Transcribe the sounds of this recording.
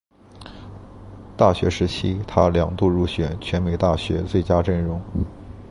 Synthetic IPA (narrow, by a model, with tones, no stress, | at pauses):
t̪a˥˩ɕɥɛ̰˧˥ʂɻ̩˧˥t͡ɕʰi˥t̪ʰa˥ljɑ˨˩ŋt̪u˥˧ɻu˥˩ɕɥɛ˨˧˩nt͡ɕʰɥɛ˧˥nme˨˧˩ɪt̪a˥˩ɕɥɛ̰˧˥t͡swe˥˩ɪt͡ɕja˥ʈ͡ʂə˥˩nɻʊ˧˥ŋ